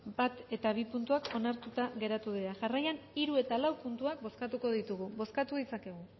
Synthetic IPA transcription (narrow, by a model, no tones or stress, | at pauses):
bat̪e̞t̪aβ̞ipunt̪uako̞naɾt̪ut̪aɣe̞ɾat̪uðiɾaʝarajaniɾue̞t̪alawpunt̪uak̚bo̞skat̪uko̞ðit̪uɣuβo̞skat̪uðit͡sake̞ɣ̞u